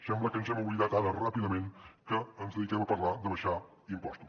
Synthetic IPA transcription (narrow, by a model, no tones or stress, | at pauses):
sɛmbləkənzɛmuβliðat̪aɾərapiðəmeŋkəənzðəðikɛməpəɾlad̪əβəʃa | impɔst̪us